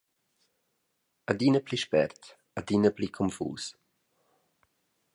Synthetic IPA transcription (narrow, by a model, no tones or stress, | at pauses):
ad̪inəpʰliʃpɛ̰rt̪ | ad̪inəpʰlikʰɔmfṵːs